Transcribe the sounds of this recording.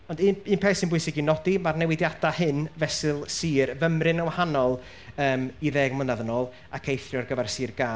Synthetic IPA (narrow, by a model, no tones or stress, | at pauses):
ɔndɨnɨːnpʰɛːsɪnbʊjsɪɡinɔdimarnɛwɪdjad̥ahɨnvɛsɨlˠsiːrvəmrɨnəwahanɔlˠ | əːmiðɛːɡmlənaðənɔːlˠ | akʰejθrjɔrɡəvarsiːrɡaː